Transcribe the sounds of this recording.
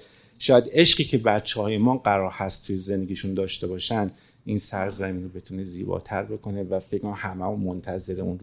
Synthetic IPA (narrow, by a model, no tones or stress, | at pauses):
ʃɒːjæd̪e̞ʃɢiːcʰe̞bæt̪t͡ʃʰːehɒːjemɒːɢæɾɒːɾhæst̪t̪ʰujezend̪eɟiːʃund̪ɒːʃt̪e̞bɒːʃænd̪ | insæɾzæmiːnobe̞t̪ʰune̞ziːbɒ̰ːt̪ʰæɾbe̞kʰo̞nevæfecʰmæmhæmæmomont̪ʰæze̞ɾeun